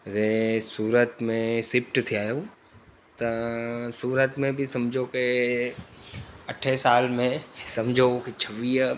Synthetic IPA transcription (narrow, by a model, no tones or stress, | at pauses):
zesuːɾət̪mẽsɪpʈt̪ʰiaːjo | t̪ɐsuːɾət̪mẽbɪsɐmd͡ʑʱoke | ɐʈʰesaːlmẽsɐmd͡ʑʱoket͡ɕʰɐʋiː